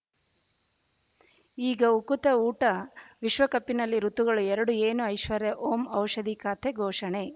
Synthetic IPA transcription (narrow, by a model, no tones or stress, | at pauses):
iːɡɐukut̪ɐuːʈɐʋiʃʋɐkɐpːinɐlːiɾut̪ːuɡɐɭuɛɾɐɽueːnuɐjʃʋɐɾjɐʔoːmɐwʂɐd̪ikaːt̪ʰeɡʱɔːʂɐɳe